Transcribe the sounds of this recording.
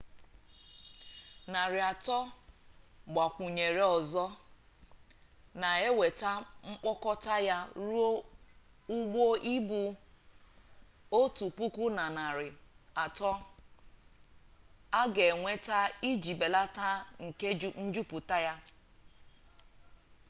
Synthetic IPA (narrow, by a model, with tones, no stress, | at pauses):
na˨ɾɪ˨a˨tɔ˦ | ɡ͡ba˨kʷu˨ɲe˨ɾe˨ɔ˨zɔ˦ | na˨e˦we˨ta˦ŋ͡m̩˦k͡pɔ˦kɔ˦ta˦ja˦ɾu˦o˦ | u˦ɡ͡bo˦ʔi˦bu˨ | o˦tu˨pu˦kʷu˦na˨na˨ɾɪ˨a˨tɔ˦ | a˦ɡe˨ŋʷe˦ta˦i˦d͡ʒi˨be˨la˦ta˦ŋ̩˨ke˦n̩˦d͡ʒu˦pu˨ta˦ja˦